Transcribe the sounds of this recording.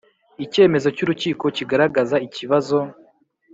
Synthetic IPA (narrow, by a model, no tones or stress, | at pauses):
ice̞ːme̞zo̞cuɾuciːko̞ciɡaɾaɡazaiciβazo̞